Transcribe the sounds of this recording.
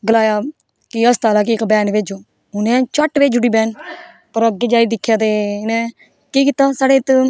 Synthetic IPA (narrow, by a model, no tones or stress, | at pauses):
ɡəlaːjaː | kiəst̪aːlaːk̬iɪkbɛːnʋeːd͡ʒoː | ɦʊnẽt͡ʃəʈːʋeːd͡ʒuʈiːbɛːn | pəɾəɡeːd͡ʒaːid̪ɪkʰːjaːt̪eːɪnẽː | kiːkɪt̪ːaːsaːɽeːt̪